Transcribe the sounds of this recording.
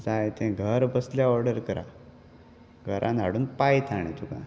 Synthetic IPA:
d͡zajt̪ʰɛ̃ɡʱəɾbəsljaɔɾɽəɾkəɾã̰ | ɡʱəɾʔãnd͡zʱaɽuːnpajt̪ʰaɽ̃ẽt̪ʰukã̰

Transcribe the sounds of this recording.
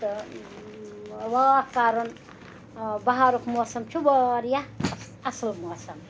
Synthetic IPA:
wakaːɾon | bɐɦaɾokʰmoːsɐmt͡ʃʰuʋaɾja | ɐslmosɐm

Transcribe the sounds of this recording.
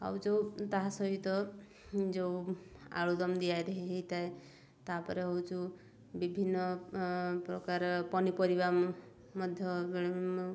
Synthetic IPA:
a̰wd͡ʒowt̪aɦasɔɦit̪ɔ | d͡ʒowa̰ɭud̪ɔmd̪ijajɾeɦiɦeit̪ae | t̪apɔɾeɦɔwt͡ʃʰu | bibʱinːɔ | pɾɔkaɾpɔnipɔɾiba | mɔd̪ʱjɔbeɭ

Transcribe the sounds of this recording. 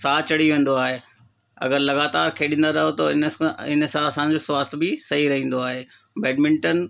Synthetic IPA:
saːt͡ɕɐɽ̤iʋẽːn̆d̪oaːɦeː | ɐ̰ɡəɾlɐɣaːt̪aːɾkʰeːɗĩːnd̪aɾɐɦot̪ɐɪñɪnəsãɐsãd͡ʑoːswaːst̪ʰbɪsɐɦiɾɐɦĩːn̆d̪oaːɦeː | bɛːɖmɪ̃ɳʈən

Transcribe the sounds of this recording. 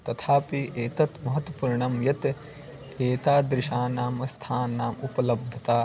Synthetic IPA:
t̪ɐt̪ʰaːpiʔeːt̪ɐt̪mɐɦɐt̪wɐpuːɾɳɐmjɐt̪ | eːt̪aːd̪ɾɪʃaːnaːmɐst̪ʰaːnːaːmupɐlɐb̚d̪ʱɐt̪aː

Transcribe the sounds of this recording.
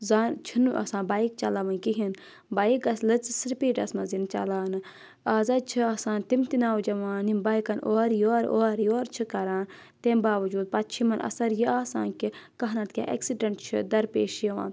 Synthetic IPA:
zaːnt͡ʃʰinuʔɐ̰sãːbaːikt͡ʃɐlaʋɐnkiɦin | baːikɐslɐt͡ssɾipiːʈɐsmɐ̃zint͡ʃɐ̰laːnɨ | aːzad̪̚t͡ʃʰɨɐsãːnt̪imt̪inaːwd͡ʒɐʋaːnimbaːjkɐnʔoːɾjoːɾoːɾjoːɾt͡ʃʰɨkɐɾãːn | t̪embaːʋɐd͡ʒuːd̪̚pɐt̪̚t͡ʃʰimɐnʔɐ̰sɐɾjiaːsãːnkʲikɐɦnɐt̪kʲa̰ːʔḛksiɖɐɳʈt͡ʃʰɨ̰d̪ɐɾpḛːʃeʋã̰ːn

